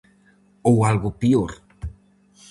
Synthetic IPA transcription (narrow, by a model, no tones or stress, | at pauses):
owalɣʊpioɾ